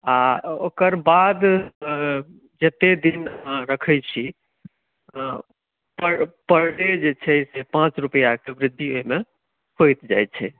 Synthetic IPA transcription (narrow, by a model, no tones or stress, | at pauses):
ao̰kəɾbad̪ | d͡ʒet̪ed̪inəɦãɾəkʰɛjt͡ʃʰi | pəpəɾɖed͡ʒet͡ʃʰɛsepãt͡ʃɾupəjakebɾɪd̪ʱːioime | kʰojt̪d͡ʒa̰j̪t͡ʃʰɛ